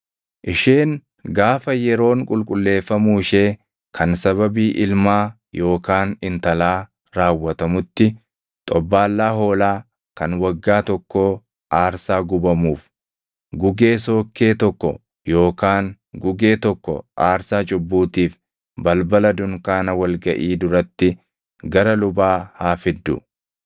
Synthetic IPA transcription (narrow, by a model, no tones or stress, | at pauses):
ʔɪʃeːn | ɡaːfɐjɛɾo̞ːŋkʼʊlkʼʊlːe̞ːfːɐmuːɪʃe̞ː | kʰɐnsɐβɐbiːʔɪlmaː | jo̞ːkaːnɪnt̪ɐlaː | ɾaːwːɐt̪ɐmʊt̪ːɪ | t̪ʼɔbːaːlːaːɦo̞ːlaː | kɐnwɐɡːaːt̪ɔkːo̞ː | ʔaːɾsaːɡʊbɐmuːf | ɡʊɡe̞ːso̞ːkːe̞ːt̪ɔkːɔ̰ | jo̞ːkaːŋ | ɡʊɡe̞ːt̪ɔkːɔ̰ʔaːɾsaːt͡ʃʼʊbːuːt̪iːf | bɐlbɐlɐd̪ʊŋkaːnɐwɐlɡɐʔiːd̪ʊɾɐt̪ːɪ | ɡɐɾɐlʊbaːhaːfɪd̪ːʊ̰